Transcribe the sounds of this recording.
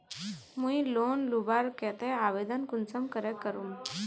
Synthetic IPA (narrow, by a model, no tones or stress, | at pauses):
mũiloːnlubaɾkɛt̪eaʋed̪ənkunt͡səmkəɾekːəɾum